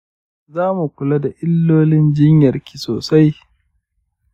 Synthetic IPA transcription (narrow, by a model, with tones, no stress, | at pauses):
zaː˦mu˨kʷʊ˨la˦da˨ʔɪ˦lːoː˦lɪ˦nd͡ʒɪ˦ɲjɐ˨rkʲʰi̥˨soː˨sa˦j